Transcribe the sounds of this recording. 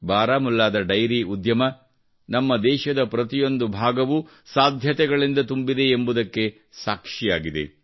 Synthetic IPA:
baːɾaːmulːaːd̪ɐɖɐjɾiud̪jɐmɐ | nɐmːɐd̪ɛːʃɐd̪ɐpɾɐt̪ijo̞nd̪ubʱaːɡɐʋu | saːd̪ʱjɐt̪ɛɡɐɭind̪ɐt̪umbid̪e̞ːmbud̪ɐkːe̞ | saːkʂijaːɡid̪e̞̰

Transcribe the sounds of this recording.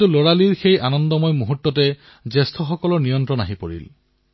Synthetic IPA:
tuloɹaliɹxejʔanɔndɔmɔjmuɦutːɔtɛ | zestʰɔxɔkɔlɔɹnijɔntɹɔna̰ɦipo̰ɹḭl

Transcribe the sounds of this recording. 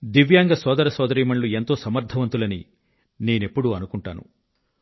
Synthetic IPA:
d̪iʋjaːŋɡɐsɔːd̪ɐɾɐsɔːd̪ɐɾiːmɐɳlue̞nt̪oːsɐmɐɾd̪ʱɐʋɐnt̪ulɐni | ne̞ːne̞pːuɽuɐnukuɳʈa̰ːnṵ

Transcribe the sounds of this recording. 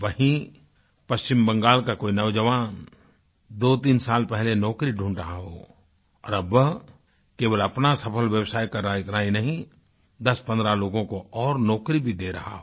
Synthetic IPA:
ʋəɦĩ | pɐst͡ʃɪmbɐ̃ŋɡaːlkakoːinɐʋd͡ʒəʋaːn | d̪oːt̪iːnsaːlpɛɦlenɔːkɾiɖʱũːɳɖɾɐɦaɦo̰ː | ɔ̰ːɾɐb | keːʋəlɐpnasɐpʰəlʋjəwsaːjkɐɾːəɦaɪt̪nainɐɦĩ | d̪ɐspɐ̃nd̪ɾaloːɡõkoɔːɾnɔːkɾibʱid̪eːɾɐɦa̰ɦoː

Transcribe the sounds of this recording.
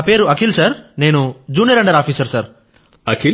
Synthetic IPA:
apeːɾuɐkʰilsɐɾneːnud͡ʒuːniɾɐ̃ɳɖɐɾaːfʰiːsɐɾsɐɾ | ɐkʰi

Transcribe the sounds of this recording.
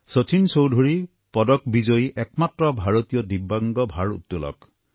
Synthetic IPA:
sot͡ʃʰinsowdʱuɹi | pɔd̪ɔkbid͡ʒɔjʔɛkmat̪ːɾɔbʱaɹɔt̪ijɔd̪ibaŋɡɔbʱaɹṵt̪ːulɔ̰k

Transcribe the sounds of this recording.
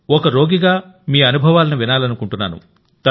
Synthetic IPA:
ɔkɐɾo̞ːɡiɡaː | miːɐnubʱɐʋaːlɐniʋinaːlɐnukuɳʈunːaːnṵ | t̪ɐ

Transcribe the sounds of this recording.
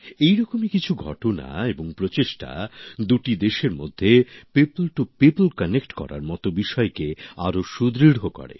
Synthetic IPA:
ejɾɔkomikit͡ɕʰuɡʱɔ̰ʈona̰eboŋpɾot͡ɕeʃʈa̰d̪uʈid̪eʃeɾmo̰d̪ʱːepeplʈupeplkənekʈkɔ̰ɾa̰ɾmɔt̪obiʃɔekea̰ɾoʃud̪ɾiɽʱokɔ̰ɾḛ

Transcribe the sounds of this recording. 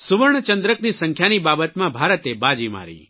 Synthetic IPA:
suʋəɾɳ̃ət͡ʃənd̪ɾəknisəŋkʰjanibabət̪mãbʱaɾət̪ebad͡ʒima̰ɾḭ

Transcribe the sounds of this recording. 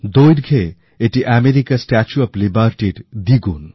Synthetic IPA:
d̪ojɖɡʱe | eʈiʔameɾikasʈat͡ʃuɐplibaɾʈiɖd̪iɡun

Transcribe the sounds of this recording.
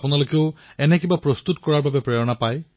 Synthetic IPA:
pʊnalokeʊɛnɛkibapɹɔst̪utkɔɹaɹbabɛpɹɛjɔnapaj

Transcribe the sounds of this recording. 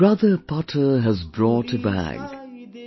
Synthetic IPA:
ɹʌðəpʰɑtʰə˞ɦəzbɹɔtʰɨbæ̰ɡ

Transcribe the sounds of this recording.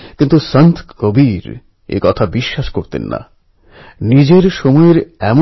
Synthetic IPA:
kint̪usənt̪ʰkobiɾ | ḛkɔt̪ʰabiʃːaʃkoɾt̪ḛnːa̰ | nid͡ʑeɾʃomɔeɾɛmo

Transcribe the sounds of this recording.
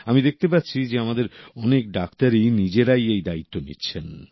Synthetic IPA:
amid̪ek̚ʰt̪epatːɕʰid͡ʑeamad̪eɾɔnek̚ɖakt̪aɾinid͡ʑeɾajejd̪ait̪ːonḭtːɕʰen

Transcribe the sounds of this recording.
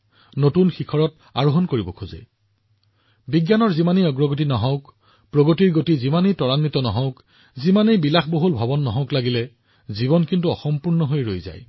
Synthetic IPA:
notunxikʰɔɹɔt̚ | a̰ɹoɦɔnkoɹibɔkʰuzɛ̰ | biɡjanɔɹzimaniɔɡɹɔɡotinɔɦɔʊk | pɹoɡotiɹɡotizimanitɔɹanːitɔnɔɦɔ̃ʊk | zimanejbilaxʰboɦulbʱɔbɔnːɔɦɔ̃ʊklaɡilɛ | ziβɔnkintuɔxɔmpuɹnɔɦojɹo̰jza̰j

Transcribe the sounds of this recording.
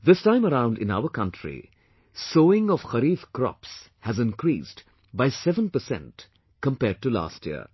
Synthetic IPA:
ðɪstãɪ̃məɾãʊ̃nɖɨɪ̃na̰ʊəkʌ̃ntʰɹḭ | soːɪ̃ŋɔʋ̥xəɾiːfkɾɔ̰ps | hæzɪ̃nkɾiːst | baɪsɛvə̃npəsɛ̰̃nt | kə̃mpɛːɖ̚ʈula̰ːstjḭə̰

